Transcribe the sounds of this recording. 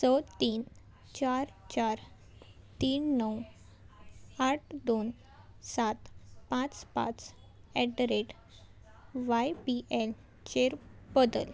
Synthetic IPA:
sət̪iːn | t͡ɕaɾt͡ɕaɾ | t̪iːnːəw | aʈʰd̪on | sat̪pãt͡spã̰t͡s | ɛɖɾeʈ | ʋajpiʔɛl | t͡ɕeɾbəd̪ə̰l

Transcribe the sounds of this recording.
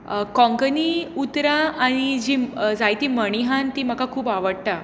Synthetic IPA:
kɔ̃ŋkəniut̪ɾaaɽ̃id͡ʑid͡zajt̪iməɽ̃iɦãnt̪im̤əkakʰuːpaʋəɽt̪a

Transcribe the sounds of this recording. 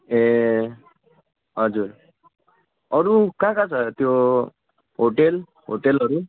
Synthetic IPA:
e | ɦʌd͡zuɾ | ʌɾukãkat͡sʰʌt̪jo | ɦoʈel | ɦoʈelʌɾu

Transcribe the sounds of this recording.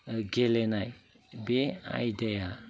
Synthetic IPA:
ɡelenaj | bea̰jdaja

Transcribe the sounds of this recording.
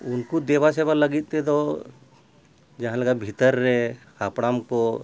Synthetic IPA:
ʊnkud̪eːʋasebaləɡit̪ːet̪o | d͡ʒɐɦãləɡabʱit̪əɾːɛ | apɽaːmko

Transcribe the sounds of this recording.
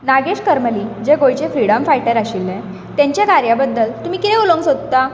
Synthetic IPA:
naɡeɕkəɾməliːd͡ʑeɡojt͡ɕefɾiɽəmfajʈəɾaɕilːɛ̃ | t̪jãɲt͡ɕjakaɾjabəd̪ːəlt̪um̤iːkit̪ẽoloŋsod̪t̪a

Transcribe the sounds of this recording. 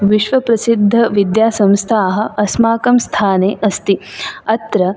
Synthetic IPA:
ʋiʃʋɐpɾɐsid̪ʱːɐʋid̪jaːsɐ̃mst̪ʰaːɦɐ̆ɐsmaːkɐmst̪ʰaːneːʔɐst̪iɐt̪ɾɐ

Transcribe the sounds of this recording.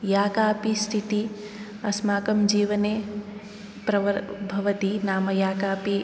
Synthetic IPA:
jaːkaːpist̪ʰit̪i | ɐsmaːkɐmd͡ʒiːʋɐne | pɾɐʋbʱɐʋɐt̪inaːmɐjaːkaːpi

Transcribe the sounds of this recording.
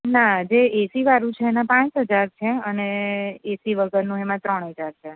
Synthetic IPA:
nad͡ʒeːsiʋaɾũt͡ʃʰeːnãpãt͡ʃɦəd͡ʒaɾt͡ʃʰeəneesiʋəɡəɾnũemãt̪ɾəɳɦəd͡ʒaɾt͡ʃʰe

